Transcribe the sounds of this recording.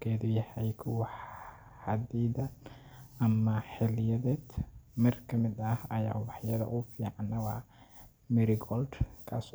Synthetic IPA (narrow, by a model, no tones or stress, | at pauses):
kʰɛːðʊjɐhɛjkʰʊwɑħ | ħɑd̪iːdɐʔɐmɐħɪlɪjɐðɛːd̪mɪrkʰɐmɪd̪ɐhɐja̰ːwɑħjɐðɐ̰ʔʊfiːʕɑnːɐwɑː | mɪɾɪɡɔld̪kʰa̰ːs